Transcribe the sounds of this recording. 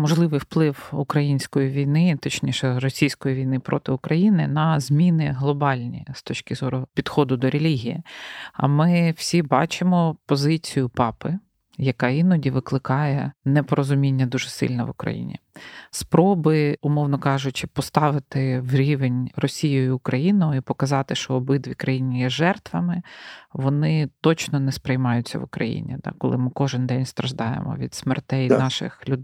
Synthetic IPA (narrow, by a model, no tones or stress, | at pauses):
mɔʒlˠɪʋɪjwplˠɪwʊkɾɐjinʲsʲkɔjiʋʲijnɪt̪ɔt͡ʃnʲiʃɛɾɔsʲijsʲkɔjiʋʲijnɪpɾʔɔ̰t̪ɪʊkɾɐjinɪ̰nɐzʲmʲinɪɦlˠɔbɑlʲnʲḭst̪ɔt͡ʃkɪzɔɾʊpʲid̪xɔd̪ʊd̪ɔɾʲelʲiɦʲijḭɐ̰mɪwsʲibɑt͡ʃɪmɔpɔzɪt͡sʲijʊpɑpɪ | jɐkɑinɔdʲiʋɪklˠɪkɑjɛnɛpɔɾɔzʊmʲinʲːɐd̪uʒɪsɪ̰lʲnɛ̰ʋʊkɾɐ̰jḭnʲḭspɾɔbɪʊmɔwnɔkɑʒʊt͡ʃɪpɔst̪ɑʋɪt̪ɪwɾʲiʋenʲrɔsʲijɔjʊːkɾɐjinɔjʊipɔkɐzɑt̪ɪʃt͡ʃɔːbɪd̪ʋʲikɾɐjinʲijɛʒɛrt̪ʋɐmɪʋɔnɪt̪ɔt͡ʃnɔnɛspɾejmɑjʊt͡sʲːɐ̰ʋʊkɾɐ̰jḭnʲḭd̪ɑ̰kɔ̰lˠɪmɪkɔʒɪnd̪ɛnʲst̪ɾɐʒd̪ɑjɛ̰mɔ̰ʋʲḭd̪smɛrt̪ɛjnɑʃɪ̰xlʲʊd̪